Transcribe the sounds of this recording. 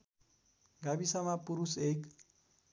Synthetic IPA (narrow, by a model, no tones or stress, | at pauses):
ɡabisamapuɾusek